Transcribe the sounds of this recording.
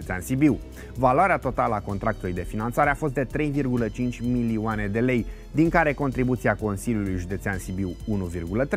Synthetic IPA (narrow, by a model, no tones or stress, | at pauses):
et̪seansibiw | valoaɾeat̪o̞t̪aləako̞nt̪ɾak̚t̪ulujd̪e̞finant̪saɾe̞afo̞st̪̚d̪e̞t̪ɾe̞jvirɡulət͡ʃint͡ʃʲmilioane̞d̪e̞le̞j | d̪iŋkaɾe̞ko̞nt̪ɾibut̪siako̞nsiljulujʒud̪e̞t̪seansibiwunuvirɡulət̪ɾe